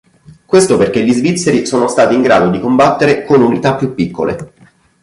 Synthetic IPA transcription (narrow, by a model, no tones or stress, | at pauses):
kwest̪operk̟eʎːizvit̪sːeɾisoːnost̪aːt̪iːŋɡɾa̰ːd̪od̪ikombat̪ːeɾekonunit̪apːjupːikːo̰lḛ